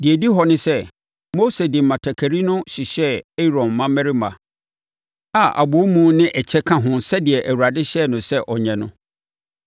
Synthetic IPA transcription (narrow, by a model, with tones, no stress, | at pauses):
dɪ˨ɛ˨di˦ɦɔ˨nɪ̃˦sɛ˦ | mo˦se˨dɪ̃˨mã˨tʰɛ˨kʰæ˨ɾi˦nʊ̃˦ɕi˨ɕɛ˦e˦ɾɔ̃˨m˨mã˦mɛ˦ɾi˦mã˨ | a˨ʔa̰˨bo˨o˦mũ˦nɪ̃˦ʔɛ˨t͡ɕʰɛ˦kʰã˦ɦʊ̃˨nsɛ˦dɪ˨ɛ˨ʔæ˨wu˨a˨dɪ˦ɕɛ˦˨nʊ̃˨sɛ˦ʔɔ˨ɲɛ̃˨nʊ̃˦